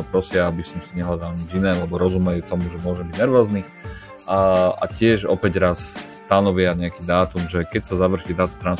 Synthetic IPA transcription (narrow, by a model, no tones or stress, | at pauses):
ɔpɾɔsɪaabisɔmsiɲɛɦlad̪alɲid͡ʒinɛːlɛbɔɾɔzumɛjut̪ɔmuʒɛmʊɔʒɛmbiɟnɛɾʋɔːzni | a̰cɪɛʒɔ̰pɛɟɾasː | t̪anɔʋɪaɲɛakiːd̪aːt̪umʒɛkɛcsazaʋr̩ʃid̪aːt̪umt̪ɾan